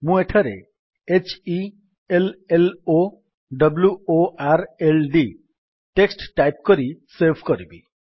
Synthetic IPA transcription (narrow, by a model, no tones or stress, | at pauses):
mũeʈʰaɾḛ | et͡ʃi | elelo | ɖʌbljuoʔaɾelɖi | ʈeksʈʈajp̚kɔɾisebʱkɔɾibi